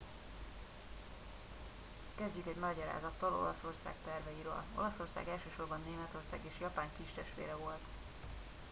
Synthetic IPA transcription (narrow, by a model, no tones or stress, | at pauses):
kɛzɟykɛɟnɒɟɒɾa̰ːzɒt̪ːɒlo̞̰lɒso̞rsa̰ːkt̪ɛrvɛjiɾø̰ːlo̞̰lɒso̞rsa̰ːɡɛlʃøːʃo̞rbɒnːeːmɛt̪o̞rsa̰ːɡeːʃjɒpaːŋkiʃt̪ɛʃt̪ʋḛːɾɛvo̞lt̪